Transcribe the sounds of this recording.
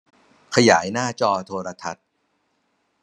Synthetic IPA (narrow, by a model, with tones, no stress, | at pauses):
kʰa˧jaː˩˦jnaː˥˩t͡ɕɔː˧t̪ʰoː˧ɾa˧t̪ʰa˦˥t̪̚